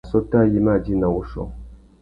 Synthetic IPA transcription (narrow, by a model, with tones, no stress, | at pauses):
sɔ˦ta˦˨ji˨ma˦˨d͡ʒi˦na˨u˦ʃɔ̰˨